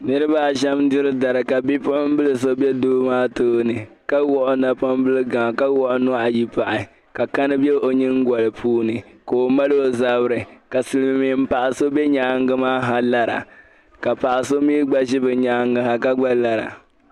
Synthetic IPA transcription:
nɨ˦ɾɨ˦ba˦˨ʒɛ˦mdɪ˦ɾɨ˦da˨ɾɨ˨ka˨bi˦pʊ˦ʊ˦m˦bɨ˦lɨ˨s̬o˦bɛ˦doː˦maː˦toː˦nɨ˨ | ka˦wɔ˦ʔʊ˦na˨pa˦m˦bɨ˦lɨ˦ɡa˨ka˦wɔ˦ʔʊ˦nʊ˦ʔa˨ji˦pa˨ʔɪ˨ | ka˨ka˦nɨ˦bjɛ˦ʔo˨ɲɨ˦ŋ˦ɡa˨lɨ˨pʰuː˦nɨ˨ka˨o˨ma˦lo˦˨za˦bɨ˦ɾɨ˨ka˨sɨ˨lɨ˦m˨mi˨˦m̩˦pa˨ʔa˨so˦bɛ˦ɲaː˦ŋɡɨ˦maː˦ɦa˦la˦ɾa̰˨ | ka˨pa˨ʔa˨so˦miː˦ɡ͡ba˦ʒɪ˦bɨ˨ɲa˦ŋɡɨ˦ɦa˨ka˦ɡ͡ba˦la˨ɾa̰˨

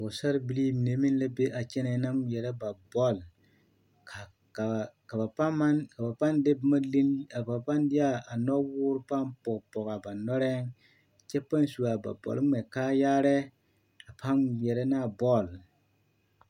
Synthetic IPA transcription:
ʊ˨sa˦ɾbi˨li˦m˨ne˨˦mi˦n˦la˦be˦ʔa˨t͡ʃɛ˦nɛ˨˦na˦mjɛ˨ɾɛ˦ba˨bɔ˦˨l | ka˨ | ka˨ka˨ba˨pa˦a˦nka˨ba˨pa˦nde˦bma˦li˦na˨ba˨pa˦ndɪ˦ja˦a˨nɔ˦wʊː˦ɾpa˦mpɔ˨kpɔ˨ka˨ba˨nɔ˦ɾɛ˦ŋ˨ | t͡ʃɛ˦pa˦n˦su˨a˨ba̰˨bɔ̰˨lmɛ˨kaː˦jaː˦ɾɛ˦ | a˨pʰa˦njɛ˨ɾɛ˦na˦˨bɔ˦˨l

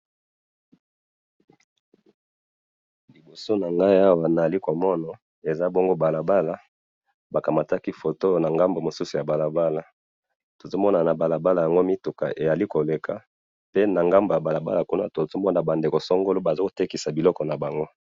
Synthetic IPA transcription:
li˨bo˨so˦na˨ŋɡa˦e˦a˦wa˨na˨a˨li˦ko˨mɔ˦na˨ | e˨za˦bo˦ŋɡo˦ba˨la˨ba˦la˦ | ba˨ka˨ma˨ta˦ki˦fo˨to˦na˨ŋɡa˦mbo˨mo˨su˦su˨ja˨ba˨la˨ba˦la˨ | to˨zo˦mɔ˦na˨na˨ba˨la˨ba˦la˨ja˨ŋɡo˦mi˦tu˨ka̰˨ʔe˨ja˨li˦ko˨le˨ka˨ | pe˦na˨ŋɡa˦mbo˨ja˨ba˨la˨ba̰˦la˨ku˦na˦to˨zo˦mɔ˦na˨ba˨nde˨ko˨sɔ˦ŋɡo˦lo˦ba˨zo˦ko̥˨te˦ki˨sa˨bi˨lɔ˦kɔ˨na˨ba˨ŋɡo˦

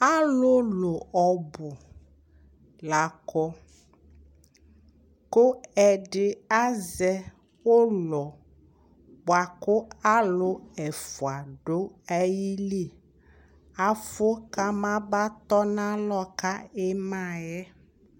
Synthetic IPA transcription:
a˦lʊ˦lʊ˨ɔ˨bʊ˨ | la˨kɔ˦ | kʊ˦ɛ˨ɖɪ˨a˦zɛ˦ | wo˦lɔ˨ | bʊ˨a˨kʊ˦a˦lʊ˦ɛ˨fʊ˨a˨ɖo˦ɛ˦ji˦li˦˨ | a˨fo˦ka˦mã˦ba˦t̪ɔ˦nã˦lɔ˦ka˦e˦mã˦˨jɛ˦

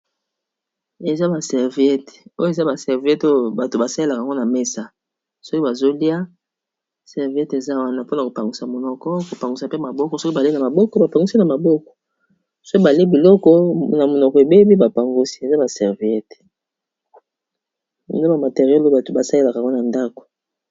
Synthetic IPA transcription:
e˨za˦ba˨sɛ˨ʁvi˨ɛ˦to˦jo˦˨e˨za˦ba˨sɛ˨ʁvi˨ɛ˦to˦jo˨ba˨to˨ba˨sa˦e˦la˨ka˨ŋɡo˦na˨me˦sa˦ | so˦ki˦ba˨zo˦li˦a˦ | sɛ˨ʁvi˨ɛ˦te˨za˦wa˦na˦po˦na˨ko˨pa˨ŋɡu˨sa˨mo˨nɔ˨kɔ˦ko˨pa˨ŋɡu˨sa˨pe˦ma˨bɔ˦kɔ˦so˦ki˦ba˨le˦na˨ma˨bɔ˦kɔ˦ba˨pa˨ŋɡu˦si˦na˨ma˨bɔ˦kɔ̥˨ | so˦ki˦ba˨le˦bi˨lɔ˦kɔ˦na˨mo˨nɔ˨kɔ˨e˨be˦bi˦ba˨pa˨ŋɡo˦si̥˦e˨za˦ba˨sɛ˨ʁvi˨ɛ˦t | n˦ba˨ma˨te˨ʁjɛ˦lo˦ba˨to˨ba˨sa˦le˦la˨ka˨ŋɡo˦na˨nda˦ko̥˨

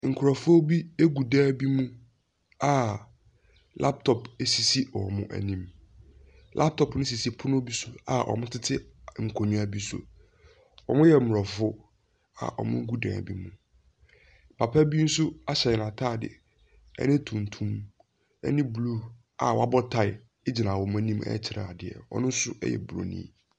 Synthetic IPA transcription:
ŋ̩˨kʰʊ˨ɾa˨fʊ˦o˦bi˦e˦ɡu˨dãː˦˨bi˦mũ˦ | a˨ | la˦p̚tʰɔ˨pe˨si˨si˦ɔ˨mʊ̰̃˦ʔæ̰˨nĩ˦˨m | lʔa˦p̚tʰɔ˨pnʊ̃˦s̬i˨si˦pʰʊ˦nʊ̃˦bi˦sʊ˦a̰˨ʔɔ̰˨mʊ̃˦tʰɪ˦tʰɪ˦ŋ̩˨kʰo˨nũ˦a˨bi˦sʊ̰˨ | ɔ̰˨mʊ̃˦jɛ˨mʊ˨ɔ˨fʊ˦ | a̰˨ʔɔ̰˨mʊ̃˦ɡu˦dã̰˨bḭ˦mũ˨ | pʰa˨pʰa˦bi˦n̩˦sʊ˦a˦ɕɛ˨nã˨tʰaː˦˨dɪ̰˨ | ɛ̰˦nɪ̃˦tʰũ˨n˨tʰũ˦m | ɛ̰˦nɪ̃˦blu˦ | a̰˨wɔ˨˦a˦bɔ˦tʰa˨ɪ˨ | ɪ˦d͡ʑɪ˨nã˨wɔ˨m˨a˦nĩ˦mɛ̰˦t͡ɕʰɪ˨ɾa̰˨a˨dɪ˨ɛ̰˨wɔ̰˦nʊ̃˦n˦sʊ̰˦ɛ̰˦jɛ̰˨bɾo̰˨˦˨nḭ̃ː˦

